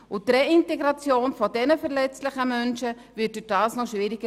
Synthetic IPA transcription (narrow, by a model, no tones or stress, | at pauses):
ʊtreinteɡɾɑt͡sjoːnfɔdɛnəfɛɾlɛt͡stlɪχəmœnʃə | vɪt̚d̥yd̥aːsnɔʃʋiːɾɪɡ̥ə